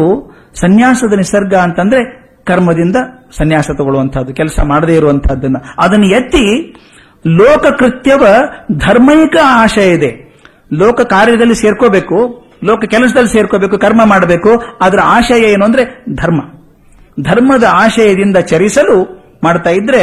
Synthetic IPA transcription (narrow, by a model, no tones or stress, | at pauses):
u | sɐnjaːsɐd̪ɐnisɐɾɡɐːnt̪ɐnd̪ɐɾe̞ | kɐɾmɐd̪ind̪ɐsɐnjaːsɐt̪ɔɡoɭuʋɐnt̪ʰɐːd̪ːukɛlsɐ̰maːɽd̪eːiɾuʋɐnt̪ʰɐd̪ːɐnːɐɐd̪ɐnːujet̪ːi | lɔːkɐkɾit̪jɐʋɐd̪ʱɐɾmɐjikɐaːʃɐjid̪e̞ | lɔːkɐkaːɾjɐd̪ɐlːiseːɾkoːbe̞ːku | lɔːkɐkɛlɐs̬ɐd̪ɐlːise̞ːɾkoːbeːk̬ukɐɾmɐmaːɽɐbe̞ːkuaːd̪ɐɾɐaːʃɐjɐeːnoːnd̪ɐɾe̞d̪ʱɐɾmɐ | d̪ʱɐɾmɐd̪ɐaːʃɐjɐd̪ind̪ɐt͡ʃɐɾisɐlu | maːɖt̪aːjid̪ːɐɾe̞